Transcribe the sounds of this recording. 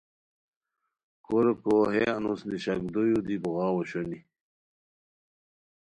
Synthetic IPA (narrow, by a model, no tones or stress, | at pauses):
koɾkoɦeɐnusniɕɐk̚d̪ojud̪ibuɣɑːwoɕoni